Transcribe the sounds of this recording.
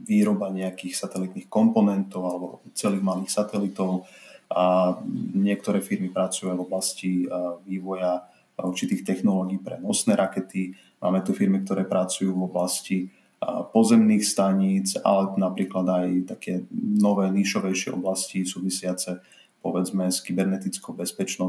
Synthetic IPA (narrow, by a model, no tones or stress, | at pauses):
ʋiːɾɔbaɲɛakixsat̪ɛlit̪niːxkɔmpɔnɛnt̪ɔʊalɛbɔ̰t͡sɛliːɣmaliːxsat̪ɛlit̪ɔʊ | ɲɪɛk̚t̪ɔɾɛːfiɾmipɾat͡sujavɔblasciʋiːʋɔja | uɾt͡ʃit̪iːxt̪ɛxnɔlɔːɡiːpɾɛ̰nɔsnɛːɾʔakɛt̪i | ma̰ːmɛt̪ufiɾmik̚t̪ɔɾɛːpɾat͡sujuːvɔblasci | pɔzɛmniːxst̪aɲit͡sa̰lɛnapɾiːklad̪ajt̪akʰɛːnɔʋɛːniːʃɔʋɛjʃɪɛ̰ʔɔ̰blascisuːʋisɪat͡sɛ | pɔʋɛd͡zmɛskibɛɾnɛt̪it͡skubɛspɛt͡ʃnɔ